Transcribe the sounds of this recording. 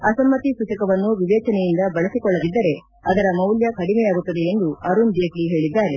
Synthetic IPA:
ɐsɐmːɐt̪isuːt͡ʃɐkɐʋɐnːuʋiʋɛːt͡ʃɐnɛjind̪ɐbɐɭɐsikɔɭːɐd̪id̪ːɐɾe̞ | ɐd̪ɐɾɐmɐwljɐkɐɽimɛjaːɡut̪ːɐd̪e̞end̪uɐɾund͡ʒeːkliɦe̞ːɭid̪ːaːɾe̞

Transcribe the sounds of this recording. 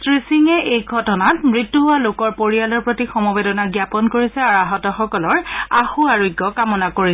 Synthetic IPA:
tɹisiŋɛʔejɡʱɔtɔnatmɹitːuɦʊalokɔɹpoɹialɔɹpɹotixɔmɔbedɔnaɡjapɔnkoɹisɛaɹaɦɔtɔxɔkɔlɔɹaxuaɹojɡːɔkamɔnakoɹi

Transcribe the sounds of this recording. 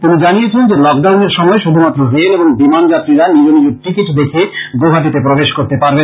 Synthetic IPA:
t̪unid͡ʑanijet͡ɕʰend͡ʑelɔkɖawneɾʃɔmɔeʃud̪ʱumat̪ːɾoɦeneboŋbimand͡ʑat̪ːɾiɾanid͡ʑonid͡ʑeɾʈikiʈd̪ekʰeɡobʱad̪it̪epɾobeʃkoɾt̪epaɾben

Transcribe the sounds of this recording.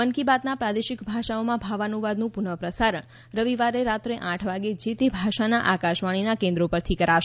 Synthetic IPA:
ənkibat̪napɾad̪eʃɪkbʱaʃaomãbʱaʋanuʋad̪nũpʊɳəpɾəsaɾəɳ | ɾəʋiʋaɾeɾat̪ɾeʔãʈʰʋaɡed͡ʒit̪ibʱaʃanaʔakaʃʋaɽ̃inakẽnd̪ɾopəɾt̪ʰikəɾaʃe

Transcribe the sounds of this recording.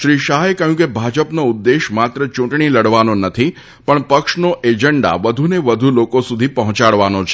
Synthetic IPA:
ʃɾiʃaɦekəɦjũkebʱad͡ʒəpnoʊd̪ːeʃmat̪ɾət͡ʃũʈɳiləɽʋanonət̪ʰi | pəɳpəkʃnoʔed͡ʒəɳɖa̰ʋəd̪ʱuneʋəd̪ʱulokosud̪ʱipəɦɔ̃t͡ʃaɭʋanot͡ʃʰ

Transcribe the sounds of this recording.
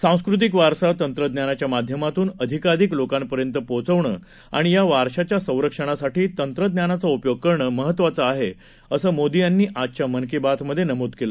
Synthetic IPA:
sãw̃skɾut̪̬ikʋaɾsat̪ənt̪ɾəd̪njanat͡ɕjamad̪ʱjəmat̪uːnəd̪ʱikad̪iklokampəɾjənt̪əpot͡səʋɳəː | a̰ɽ̃ijaʋaɾɕat͡ɕjasə̃w̃ɾəkʂəɽ̃asaʈiːt̪ənt̪ɾəd̪njanat͡saupjoɡ̚kəɾɳəməɦət̪ːʋat͡səaɦe | əsəːmod̪ijanːiːʔat͡ɕjamənkibat̪məd̪ʱːjenəmod̪kelə

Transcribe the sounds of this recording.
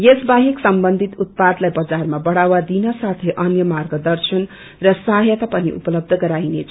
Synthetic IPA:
jesbaɦiksʌmbʌnd̪ʱit̪ut̪̚pad̪lajbʌd͡zarmabʌɽawad̪inʌsat̪ʰeʔʌnjʌmarɡʌd̪ʌrsʌn | rʌsaɦjʌt̪apʌniʔṵpʌlʌb̚d̪ʱʌɡʌɾajnet͡sʰ

